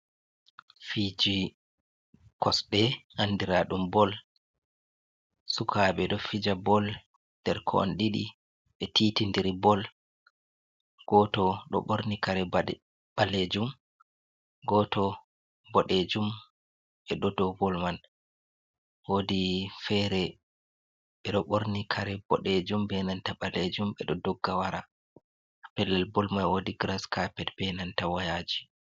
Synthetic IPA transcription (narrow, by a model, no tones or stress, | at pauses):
fid͡ʒi | kɔsɗɛhandiɾaɗumbɔl | sukʰaɓɛɗɔfid͡ʒabɔl | d̥ɛɾkʰɔ̰a̰nɗiɗḭ | ɓɛtʰiːtindiɾibɔl | ɡ̥ɔtɔɗɔ̰ɓoɾnikaɾɛ | b̥aled͡ʒum | ɡɔtɔ | bɔɗed͡ʒum | ɓɛɗɔdɔbɔlman | wodifɛɾɛ | ɓɛɗɔɓoɾnikʰaɾɛbɔ̰ɗed͡ʒumbɛnantaɓaled͡ʒumbɛɗɔdɔɡːawaɾa | pɛlːɛlbɔlmanwodiɡɾaskapɛtbɛnantawajad͡ʒi